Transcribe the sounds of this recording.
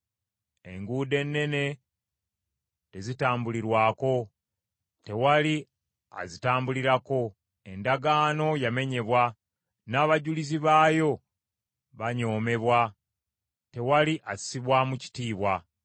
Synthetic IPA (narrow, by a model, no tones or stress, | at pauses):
e̞̰ŋɡuːde̞nːe̞ne̞ | te̞zitaːmbuliɾwaːko̞ | te̞wali | a̰zitaːmbuliɾako̞ | e̞ndaɡaːno̞jame̞ɲe̞βwa | naːβaɟuliziβaːjo̞ | βaɲo̞ːme̞βwa | te̞waliʔai̥siβwamuci̥tiːβwa